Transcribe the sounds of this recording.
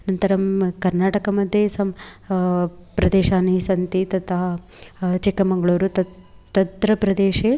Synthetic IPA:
nɐnt̪ɐɾɐmkɐɾnaːʈɐkɐmɐd̪ʱjesɐm | pɾɐd̪eːʃaːniisɐnt̪it̪ɐt̪ʰɐɦɐt͡ʃikːɐmɐŋɡɐɭoːɾut̪ɐt̪ɐt̪ɾɐpɾɐd̪eːʃeː

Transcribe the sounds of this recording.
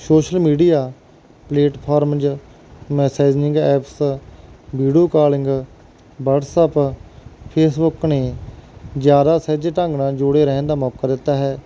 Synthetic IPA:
soːʃəlmiːɖijaː | pleːʈpʰaːɾmd͡ʒ | mɛːsaːid͡ʒnɪ̃ŋɡɛːps | biːɖijoːkaːɾlɪ̃ŋɡ | baːʈsɛːp | pʰeːsbʊkneː | zjaːd̪aːsɛːd͡ʒeːʈãːŋɡnãːd͡ʒʊɽeːɾɛ̃ːnd̪aːmɔːkaːd̪ɪt̪ːaːɦɛː

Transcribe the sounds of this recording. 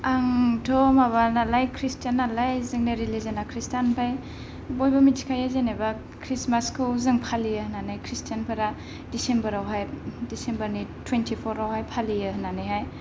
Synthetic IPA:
aŋtʰɔmaβanalajkʰɾistjanːalajzɯŋneɾilizanakʰɾistanpʰaj | bojbamitʰi̥kʰajazeneba | kʰɾismaskʰɯwzɯŋpʰalijɯhnanajkʰɾistʰijanpʰaɾa | d̥isembɐɾawɦajdisembɐɾnitʰwentʰipʰɔɾawhajpʰalijɯɦnanajɦaj

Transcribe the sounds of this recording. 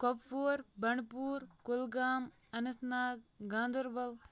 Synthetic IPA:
kopfoːɾbɐɳpuːɾkʊlɡaːm | ɐnɐsnaːk̚ɡãːnd̪uɾbɐl

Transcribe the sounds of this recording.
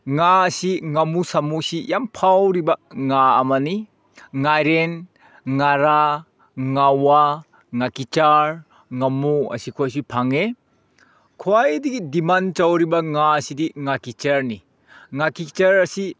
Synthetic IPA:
ŋaɐsiŋamusamusijampʰawɾibɐŋaːmɐni | ŋajɾen | ŋaɾa | ŋawa | ŋakit͡ʃaɾ | ŋamuɐ̰sikʰuajs̬ipʰaŋe | kʰuajdiɡidimant͡ʃawɾibɐŋaɐsidiŋakit͡ʃɐɾni | ŋakit͡ʃɐɾɐsi

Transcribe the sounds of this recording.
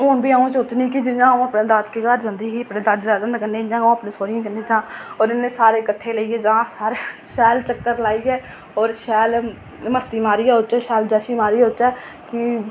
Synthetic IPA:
ʊːnbʱiːaũsoːt͡ʃnĩːkid͡ʒɪd͡ʒãːũəpnẽːd̪aːt̪keːkəɾd͡ʒãnd̪iːkiəpnẽːd̪ad͡ʒaːd̪ənd̪kənẽːɪd͡ʒãːõəpnẽːsoːɾɪjãːkənːẽːt͡ʃãːɔːɾɪnːẽːsaːɾeːkəʈʰːeːləiːɛːd͡ʒãːsaːɾeʃɛːlt͡ʃəkːəɾlaːiːɛː | ɔːɾʃɛːl | məst̪iːmaːɾiːɛːot͡ʃɛːʃɛːld͡ʒɛːsiːmaːɾiːɦot͡ʃɛː | kɪ

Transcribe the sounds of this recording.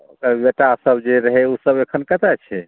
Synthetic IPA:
əbeʈasəbd͡ʒeɾəɦeusəbekʰənkət̪ɛt͡ʃʰɛ

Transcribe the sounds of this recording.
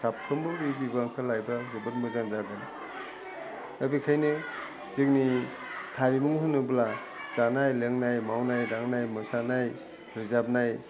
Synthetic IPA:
sapʰɯmbɯɾibibaŋkʰɯlajbɾazɯbɯlmɯzanzaɡɯn | abikʰajnɯ | zik̚ni | kʰaɾimuŋɦɯnɯbla | zanajleŋnajmawnajdaŋnajmɯsanaj | ɾɯzap̚naj

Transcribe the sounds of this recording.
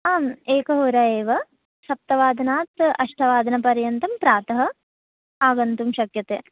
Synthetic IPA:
aːmeːkɐɦuːɾɐeːʋɐ | sɐp̚t̪ɐʋaːd̪ʱɐnaːt̪ɐʂʈʰɐʋaːd̪ʱɐnɐpɐɾjɐnt̪ɐmpɾaːt̪ɐɦɐ̆ | aːɡɐnt̪umʃɐkjɐt̪ḛ

